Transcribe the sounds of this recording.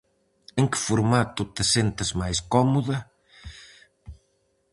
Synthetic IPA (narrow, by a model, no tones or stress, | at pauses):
eŋkɪ̥fuɾmat̪ut̪ɪsent̪ɪzmajskɔmuðɐ